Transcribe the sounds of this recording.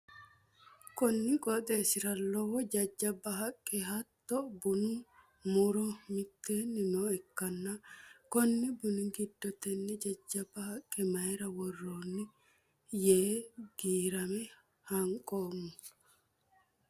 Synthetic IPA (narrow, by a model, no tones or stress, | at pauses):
kɔnːɪkʼɔt̪ʼesɪɾɐlːɔwɔd͡ʒɐd͡ʒːɐbːɐɦɐkʼːɛhɐt̪ːɔbuni | muɾɔmɪt̪ːeːnːinɔɛkːɐnːakɔnːibʊniɡid̪ːɔt̪ɛnːɛd͡ʒɐd͡ʒːɐbːɐhɐkʼːɛmɐjɾɐwɔrːoːnːi | jeːɡ̥iːɾɐmɛ | hɐŋkʼoːmːu